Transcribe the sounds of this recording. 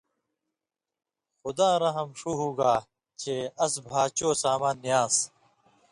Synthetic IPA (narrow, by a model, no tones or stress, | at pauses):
xʊd̪ãːɾɐɦɐmʂuːɦuːɡaː | t͡ɕʰeːɐsbʱaːt͡ɕoːsaːmãːnːijaːs